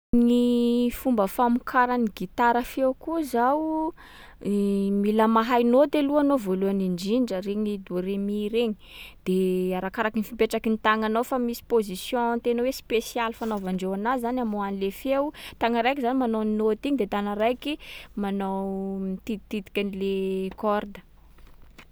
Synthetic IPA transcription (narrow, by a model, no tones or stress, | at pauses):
nifumbəfamukʰaɾaniɡit̪aɾafewkuzaw | milamaɦajnod̪eluanovoluaniɳd͡ʒiɳɖ͡ʐəɾeɲid̪oɾemiɾeɲi̥d̪̥eaɾakaɾakinifimpeʈ͡ʂakinit̪aŋanawfamisi̥pozisjɔ̃nt̪enawespesialifanovaɳɖ͡ʐewanazzanamoanilefewt̪aŋəɾajkizanimanoninot̪iɲid̪et̪anəɾajkimanawmit̪iit̪id̪i̥kʲanilekɔrd̪ə̥